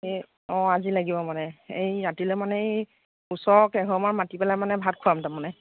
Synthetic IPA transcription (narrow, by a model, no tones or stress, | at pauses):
e | ɔ̃azilaɡibɔmanɛejɹatilɛmanɛj | usɔɹkɛɡʱɔmaɹmatipɛlajmanɛbʱat̚kʰuamtamanɛ